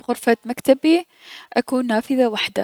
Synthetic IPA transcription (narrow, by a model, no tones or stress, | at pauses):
bɣʊɾfamakt̪abi | ʔakuːnːaːfɪðawaħd̪a̰